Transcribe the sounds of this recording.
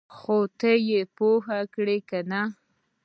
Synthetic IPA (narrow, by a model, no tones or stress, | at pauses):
xot̪əjepoɦakɽekana